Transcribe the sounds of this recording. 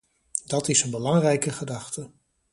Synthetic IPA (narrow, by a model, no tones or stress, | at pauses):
d̥ɑtɪsənbəlɑŋrɛjkəχədɑχtə